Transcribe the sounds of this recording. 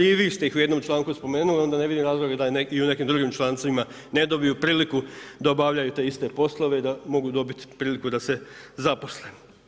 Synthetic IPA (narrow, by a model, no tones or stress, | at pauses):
iʋist̪e̞ixuje̞d̪nomt͡ʃlˠaːŋkuspo̞me̞ːnulio̞nd̪aneʋid̪imɾaːzlˠoɡed̪aeiune̞kimd̪ɾuɡimt͡ʃlˠaːnt̪saʋima | ned̪o̞bijupɾiːlikud̪aobaʋʎajut̪e̞ist̪e̞po̞slˠoʋeid̪amo̞ɡud̪o̞bit̪pɾiːlikud̪ase̞zapo̞sle